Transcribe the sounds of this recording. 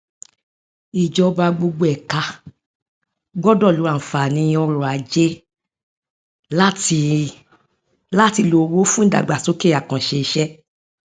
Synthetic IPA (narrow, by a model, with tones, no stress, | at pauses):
i˨d͡ʒɔ˧ba˧ɡ͡bo˧ɡ͡bo˧ɛ˨ka˧ | ɡ͡bɔ˦dɔ˦˨lo˨˦ã˨fa˨nĩ˧ɔ˧ɾɔ˨a˨˦d͡ʒe˦ | la˦ti˧ | la˦ti˧lo˧˨wo˦fũ˦˨da̰˨ɡ͡ba˨so˨˦ke˦˨a˨kã˨ʃe˧i˧˦ʃɛ˦